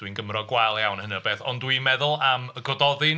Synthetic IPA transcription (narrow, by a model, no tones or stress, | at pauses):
d̥winɡəmrɔɡwajlˠjawnhənɨɔbeːθɔndwinmɛðʊlˠaməɡɔdɔðɨn